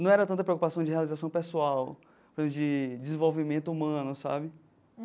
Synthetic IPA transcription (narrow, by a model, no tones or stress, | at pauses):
nɐ̃w̃ɛɾɐt̪ɐ̃nt̪ɐpɾeokupasɐ̃w̃d͡ʒɪhealizasɐ̃w̃pesuaw | ɾẽmd͡ʒɪd͡ʒɪzĩvowvimẽnt̪ʊumɐ̃nʊsa̰bɪ